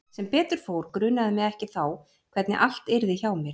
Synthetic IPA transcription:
sɛmpɛːt̪ʏɾ̥fowɾkɾʏnːaðɪmɛɣɛhcɪθaw | kʰv̥ɛt̪nɪ̰ʔal̥t̪ɪɾðɪçawmjɛɾ̥

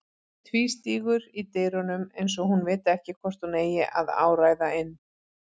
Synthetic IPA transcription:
t̪ʰviːst̪iːɣʏɾit̪eːjɾɔnʏmejns̬ɔhunvɪːt̪ɪɛhcɪkʰvɔr̥t̪uneːjɪʔa̰ða̰ːwɾaːjðaɪnː

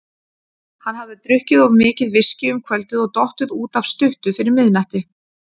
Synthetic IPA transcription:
hanhavðɪt̪ɾʏhcɪðɔvmɪːcɪðvɪscɪʏmkʰvœlt̪ʏðɔɣt̪ɔht̪ʏðuːt̪av̥st̪ʏht̪ʏfɪɾɪɾmɪðnaht̪ɪ

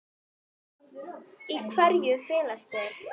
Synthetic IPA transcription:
ikʰvɛɾjʏfɪːlast̪aθ

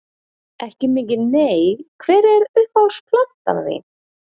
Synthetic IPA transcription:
ɛhcɪmɪːc̬ɪneːjkʰvɛːɾɛɾʏhpawspʰlan̥t̪a̰ððɪ̰

